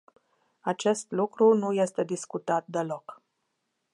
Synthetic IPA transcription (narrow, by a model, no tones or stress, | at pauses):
at͡ʃe̞st̪lukɾunuje̞st̪e̞d̪iskut̪at̪̚d̪e̞lo̞k